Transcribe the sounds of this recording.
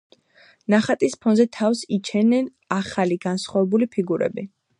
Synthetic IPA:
naχat̪ʼispʰɔnzɛt̪ʰafsit͡ʃʰɛnɛn | aχaliɡansχwavɛbulipʰiɡuɾɛ̰bi

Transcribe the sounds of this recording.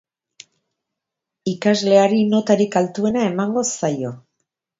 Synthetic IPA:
ikazle̞aɾino̞t̪aɾikalt̪ue̞nae̞maŋɡo̞sajo̞

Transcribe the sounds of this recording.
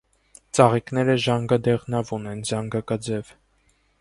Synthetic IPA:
t͡sɑʁiknɛɾəʒɑŋɡɑd̪ɛʁnɑvunɛnzɑŋɡɑkɑd͡zɛv

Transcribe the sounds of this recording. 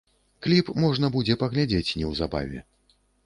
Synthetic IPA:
klʲipmɔʐnɐbud͡zʲɛpɐɣlʲad͡zʲet͡sʲnʲɛwzaba̰vʲɛ̰

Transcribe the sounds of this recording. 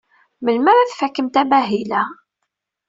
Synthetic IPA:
məlməɾaθfækːəmt̪æmæɦilæ

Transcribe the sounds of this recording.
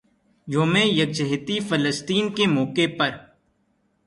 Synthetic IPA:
joːmẽjɐk̚d͡ʒəɦt̪ifələst̪iːnkemɔːkepɐɾ

